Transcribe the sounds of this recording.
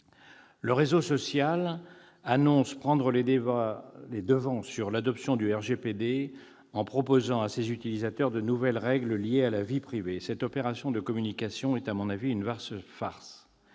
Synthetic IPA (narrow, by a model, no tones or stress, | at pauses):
ləʁezosɔsjal | anɔ̃spχɑ̃d̪ʁəle | led̪əvɑ̃syʁlad̪ɔpsjɔ̃d̪yɛʁʒeped̪e | ɑ̃pχɔpozɑ̃asezyt̪ilizat̪œʁd̪ənuvɛlʁɛɡləljealavipχivesɛt̪ɔpeʁasjɔ̃d̪əkɔmynikʲasjɔ̃ɛt̪amɔ̃naviynvasfaʁs